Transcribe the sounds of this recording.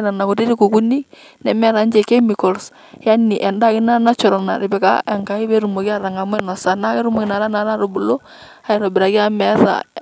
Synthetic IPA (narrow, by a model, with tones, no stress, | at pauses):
ɾa˨na˨ko˨ti˦ɾi˦ku˨ku˦ni˦ | nɛ˨mɛ˦ɾa˨˦nd͡ʒɛ˨ke˦mi˨kɔ˨ls | ja˦ni˨ʔɛ˨nda˦kɪ˦na˦na˦t͡ʃɔ˨ɾa˨na̰˨ɾɪ˨bɛ˨ka̰˦ɛ˨ŋka˨˦ɪ˦βɛ˦ɾu˨mo˨ki˦a˦˨ɾa˨ŋa˨m˦ɛ˦nɔ˨sa˨na˦kɛ˦ɾu˦mo˨kɪ˨na˨ɾa˦na˨˦la˦ɾo˨bu˨lo˦ | a˨˦ɪ˦ɾɔ˨bɪ˨ɾa˨ki˦a˦mɛ˦ða̰˨